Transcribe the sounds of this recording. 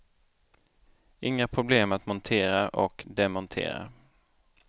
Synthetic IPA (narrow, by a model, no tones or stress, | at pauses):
ɪŋːapʰɾʊbleːmat̪mɔnt̪ʰeːɾaʔɔkd̪ɛmɔnt̪ʰḛːɾa̰